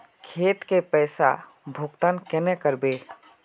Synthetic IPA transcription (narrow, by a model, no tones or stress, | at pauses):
kʰeːt̪kepɛːsa̰ | bʱʊkt̪ankɛnekəɾbe